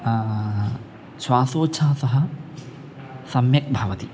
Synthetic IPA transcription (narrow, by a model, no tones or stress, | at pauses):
sʋaːsoːt͡ʃʰaːsɐɦɐ | sɐmjɐk̚bʱɐʋɐt̪i